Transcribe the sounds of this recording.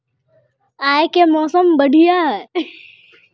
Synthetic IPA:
aːjkemɔːsəmbəɖʱijaː

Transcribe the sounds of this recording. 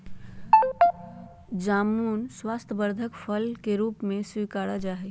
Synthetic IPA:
d͡ʒamunswast̪ʰəbəɾd̪ʱəkpʰəlkeɾupmeswikaɽad͡ʒaɦɛ

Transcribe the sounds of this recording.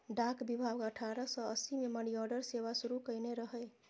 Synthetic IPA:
ɖakbibʱabəʈʰaɾəsəəsimeməɽiɔɾɖəɾseʋasuɾukəjneɾəɦɛ

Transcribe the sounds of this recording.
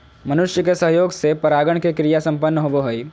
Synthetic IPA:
mɐnʊʃjəkesɐɦjoːɡsepɐɾaːɡəɳ̃kekɾijasɐ̃mpənːəɦoboɦoi

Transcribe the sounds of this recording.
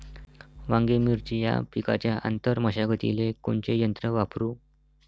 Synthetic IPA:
ʋãŋɡemiɾt͡ɕija̰pika̰t͡ɕjaʔa̰nt̪əɾməɕaɡət̪ḭleko̰ɳt͡ɕejənt̪ɾəʋapɾuː

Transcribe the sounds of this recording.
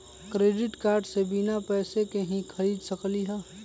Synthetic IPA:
kɾeːɖɪʈkaːɾɖsebinapɛːsekeɦĩkʰəɾiːd̪səkliɦɛː

